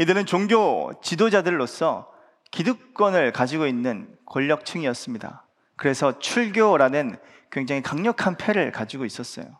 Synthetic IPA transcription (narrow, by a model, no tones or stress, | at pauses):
idɯɾɯnt͡ɕoŋɡjot͡ɕidod͡ʑadɯɭːos͈ʌ̰ | kiduk̚k͈wʌnɯɭkad͡ʑiɡoinːɯnkoʎːʌk̚t͡ɕʰɯŋiʌs͈ɯmɲida̰ | kɯɾe̞sʰʌt͡ɕʰuɭɡjoɾanɯn | kweŋd͡ʑaŋikaŋɲʌkʰanpʰe̞ɾɯɭkad͡ʑiɡois͈ʌs͈ʌ̰jo̰